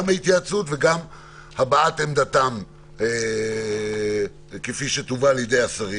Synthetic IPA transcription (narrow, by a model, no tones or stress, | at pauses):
mhait̪jat͡sutveɡam | habaat̪emd̪at̪am | kefiʃet̪uvaljed̪e̞jasaʁi